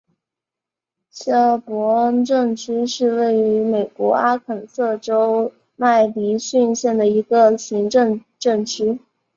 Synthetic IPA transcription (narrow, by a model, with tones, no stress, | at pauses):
ɕɑ˥˩pwɔ˧˥ʈ͡ʂɤ˥˧ŋʈ͡ʂ̩ʰ˥ʂɻ̩˥˧we˥˩ɪy˧˥me˨˩ɪkwɔ˧˥a˥kʰə˨˩nsɤ˥˩ʈ͡ʂo˥ʊ | ma˥˩ɪli˧˥ɕy˥˧nɕjɛ˥˩nd̪ə˩i˧˥ɡə˧ɕi˧˥ŋʈ͡ʂɤ˥˧ŋ | ʈ͡ʂɤ˥˩ŋʈ͡ʂ̩ʰ˥